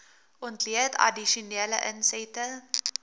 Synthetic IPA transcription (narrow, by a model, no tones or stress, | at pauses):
ʔɔntliətʰɐ̰diʃuneələʔənsɛtə